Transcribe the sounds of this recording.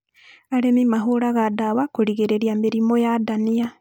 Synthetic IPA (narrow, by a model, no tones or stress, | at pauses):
aɾemimaɦoɾaɣadawakoɾiɣeɾeɾiameɾimojadania